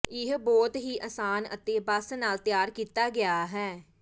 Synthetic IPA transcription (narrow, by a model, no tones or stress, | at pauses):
ɪɦbɔːt̪ɦiːʔəsaːnə̰t̪eːbəsnaːlt̪jaːɾkiːt̪aːɡɪaːɦɛː